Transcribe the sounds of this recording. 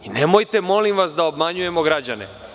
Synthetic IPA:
inemojt̪e̞mo̞limʋasd̪aobmaɲuje̞mo̞ɡɾad͡ʑanḛ

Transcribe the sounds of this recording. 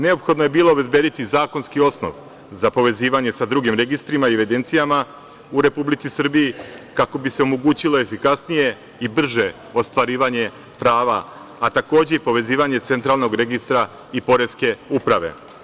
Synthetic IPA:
ne̞opxo̞d̪noje̞biːlo̞ːbe̞zbje̞ːd̪it̪izaːko̞nskio̞sno̞̰ʋ | zapo̞ʋe̞ziːʋaɲe̞sad̪ɾuɡimɾe̞ɡist̪ɾimaieʋed̪e̞nt̪sijama | uɾe̞publit̪sisr̩bijikako̞bise̞o̞mo̞ɡuːt͡ɕilo̞e̞fikasnije̞ | ibr̩ʒe̞ | ost̪ʋaɾiːʋaɲe̞ | pɾaːʋaː | t̪ako̞ːd͡ʑeipo̞ʋe̞ziːʋaɲe̞t̪se̞nt̪ɾalˠno̞ɡɾe̞ɡist̪ɾa | ipo̞ɾe̞ske̞upɾaʋe̞̰

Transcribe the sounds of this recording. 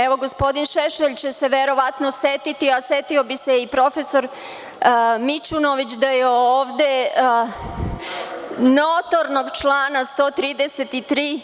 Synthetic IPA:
eʋo̞ɡospo̞d̪inʃeʃeʎt͡ɕe̞se̞ʋeɾo̞ʋat̪nosjet̪it̪iasjet̪io̞bise̞ipɾo̞fe̞so̞ɾ | mit͡ʃuno̞ʋit͡ɕd̪ajeoːʋd̪e̞ | not̪o̞ɾno̞ɡt͡ʃlaːnast̪o̞ːt̪ɾiːd̪eset̪it̪ɾiː

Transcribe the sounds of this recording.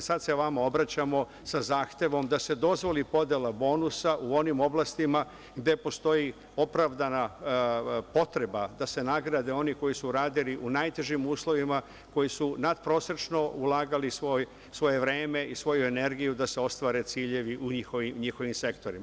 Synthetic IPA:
sad̪se̞ʋamao̞bɾat͡ɕamo̞ | sazaːxt̪e̞ʋo̞md̪ase̞d̪o̞zʋo̞lipo̞d̪jelˠabo̞ːnusaʔuo̞nimo̞blˠast̪ima | ɡd̪e̞po̞st̪o̞ji | o̞pɾaʋd̪ana | po̞t̪ɾe̞bad̪ase̞naɡɾad̪e̞o̞niko̞jisuɾaːd̪iliʔunajt̪e̞ʒimuːslˠo̞ʋima | ko̞jisunad̪pɾo̞sɾat͡ʃno̞ulaːɡalisʋo̞j | sʋo̞je̞ʋɾe̞ːme̞isʋo̞jue̞ne̞ɾɡijud̪ase̞o̞st̪ʋaːɾe̞t̪siːʎe̞ʋiʔuɲixoʋimɲixo̞ʋimse̞kt̪o̞ɾim

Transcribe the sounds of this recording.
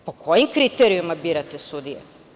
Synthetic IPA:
po̞kʰo̞jimkɾit̪eɾijumabiːɾat̪esud̪ijḛ

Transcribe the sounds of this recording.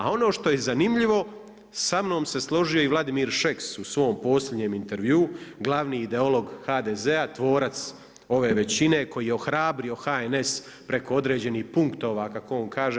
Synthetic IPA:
a̰o̞no̞ːʃt̪o̞je̞zanimʎiʋo̞ | samno̞ːmse̞slˠo̞ʒio̞iʋlˠad̪imiːɾʃeksusʋo̞ːmpo̞ːslʎʲe̞d̪ɲeːmint̪e̞ɾʋjuːɡlˠaʋniːd̪e̞o̞lo̞ɡhaːd̪ezeat̪ʋo̞ːɾat̪s | o̞ʋe̞ːʋe̞t͡ɕine̞ko̞jiːjeo̞xɾaːbɾio̞xaene̞s | pɾe̞ko̞o̞d̪ɾe̞ːd͡ʑe̞niːhpuŋkt̪o̞ːʋaːkakooŋkʰaːʒe

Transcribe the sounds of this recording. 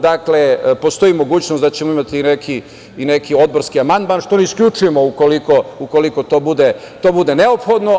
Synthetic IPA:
d̪aklepo̞st̪o̞imo̞ɡuːt͡ɕnosd̪at͡ɕemoimat̪iːnekʰi | inekio̞d̪̚bo̞ɾskiamand̪maːnʃt̪o̞neiskʎʲut͡ʃujemo̞ukoliko̞uko̞liko̞t̪o̞ːbud̪e | t̪o̞ːbud̪e̞ne̞opxo̞d̪no̞

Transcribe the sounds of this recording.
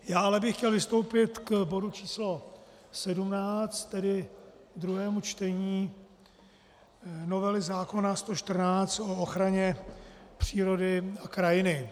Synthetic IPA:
jaːalɛbɪxːcɛlvɪst̪o̞wpɪt̪kbo̞dut͡ʃiːslo̞ | sɛdumnaːt͡st̪ːɛdɪd̪ɾuɦɛːmut͡ʃt̪ɛɲiː | no̞vɛlɪzaːko̞nast̪o̞ʃt̪r̩naːt͡st̪o̞oxɾaɲɛpr̝̥iːɾo̞dɪakɾajɪnɪ

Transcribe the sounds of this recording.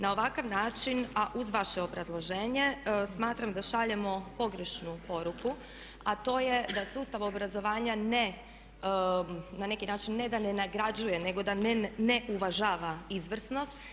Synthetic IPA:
nao̞ʋakaʋnaːt͡ʃinaʔuzʋaʃe̞obɾazlˠo̞ʒeːɲe̞smaːt̪ɾamd̪aʃaʎemo̞po̞ɡɾe̞ʃnupo̞ɾuku | at̪o̞ːje̞d̪asuːst̪aʋobɾazo̞ʋaːɲane | nane̞kinaːt͡ʃinːe̞d̪ane̞naɡɾad͡ʑuje̞ne̞ɡo̞d̪anne̞ʔuʋaʒaːʋaizʋr̩sno̞st̪

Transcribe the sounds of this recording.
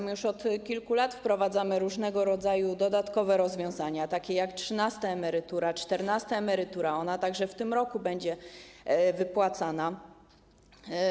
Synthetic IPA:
mjuʂɔt̪kʲilkulat̪fpɾɔvad̪zamɘɾuʐnɛɡɔɾɔd̪zajud̪ɔd̪at̪kɔvɛɾɔzvʲjɔ̃w̃zaɲat̪akʲejaktʂɘnast̪aɛmɛɾɘt̪uɾat͡ʂt̪ɛɾnast̪aɛmɛɾɘt̪uɾaɔnat̪aɡʐɛft̪ɘmɾɔkubɛɲd͡ʑɛ | vɘpwat̪sana

